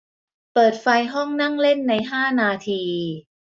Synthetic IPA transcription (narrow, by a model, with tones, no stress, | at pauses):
pɤː˨˩t̪̚fa˧jɦɔ˥˩ŋna˥˩ŋle˥˩nːa˧jɦaː˥˩naː˧t̪ʰiː˧